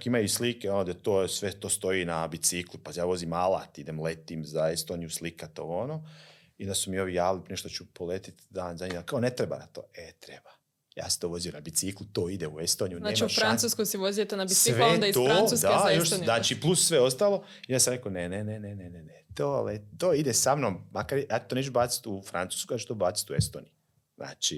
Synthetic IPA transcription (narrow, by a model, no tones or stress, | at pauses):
kimajuslikeonod̪at̪oːsʋet̪oːst̪o̞iːnabit̪siklupajaːʋo̞ziːmala̰ːt̪id̪emlet̪iːmzaest̪oːnijuslikat̪oonoː | id̪asumio̞ʋijaːʋlipɾineʃt̪ot͡ʃupolet̪i̥t̪d̪aːnzaɲiakaonet̪ɾeba̰na̰t̪o̰ːet̪ɾeba | ja̰ːse̥t̪oʋo̞zijonabisiklut̪oːid̪euest̪oːnijunnaːet͡ʃiufɾant̪suːskojsɛʋozijet̪onabiiʋed̪ait̪osuːsd̪aoʃnaːt͡ʃiplˠusːʋe̞o̞st̪aːlˠo̞ | ijoasamɾekonenenenenenenet̪oːlet̪oːid̪esamnommakaɾjejat͡ʃt̪onet͡ʃubaːt̪si̥t̪ufɾa̰nsu̥ːskojat͡ʃu̥t̪obaːt̪i̥t̪uest̪oːnij | zna̰ːt͡ʃi